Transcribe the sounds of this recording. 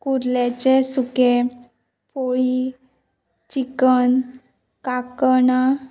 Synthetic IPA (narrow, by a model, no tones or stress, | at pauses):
kuɾlet͡ɕesuke | pʰoɭi | t͡ɕikən | kakəna